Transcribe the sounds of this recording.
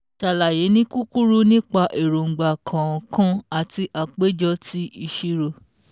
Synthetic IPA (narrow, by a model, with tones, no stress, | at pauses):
ʃa˨la˨je˨˦nĩ˦ku˦ku˦ɾu˦nĩ˦k͡pa˧ʔe˨ɾo˨ŋ̩˨ɡ͡ba˨kʰã˨ɔ˨kʰã˦a˨ti˧ʔa˨k͡pe˦d͡ʒɔ˧˦ti˦i˧ʃi˦ɾo˧